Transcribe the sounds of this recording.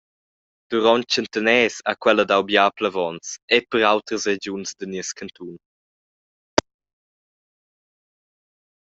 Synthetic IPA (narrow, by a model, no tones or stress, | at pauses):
d̪̥uɾɔnt̚t͡ʃənt̪ənɛːsa̰kwɛləd̪awbjaːpləvɔnsɛpəɾawt̪ɾəsred͡ʒunsd̪əniəskʰənt̪ʰun